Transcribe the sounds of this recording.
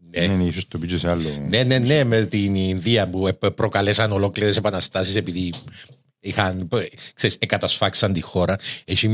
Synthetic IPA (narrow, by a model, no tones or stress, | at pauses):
neenisost̪opid͡ʒesɐlːonene̞nːe̞met̪innðiɐpuepɾokɐlesɐno̞lo̞kliɾese̞pɐnɐst̪ɐsisepiði | ixɐnkseisekɡɐt̪ɐsfɐksɐnt̪ixo̞ɾɐesim